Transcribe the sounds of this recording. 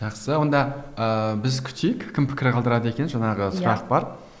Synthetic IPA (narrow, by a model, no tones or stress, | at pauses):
ʒɑqsəwo̞nd̪ɑəbɪzkʲʰʏ̥t̪ʰejɪkkʲʰɪmpʰɪ̥kʲɪɾqʰɑlˠd̪əɾɑd̪əe̞kʲe̞nʒɑɴɑʁəsʊɾɑq̚bɑɾ